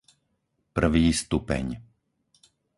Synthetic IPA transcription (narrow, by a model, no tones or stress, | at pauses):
pr̩ʋiːst̪upɛ̰ɲ